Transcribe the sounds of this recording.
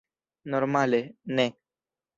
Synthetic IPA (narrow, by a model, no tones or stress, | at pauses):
nɔɾmalenɛ̃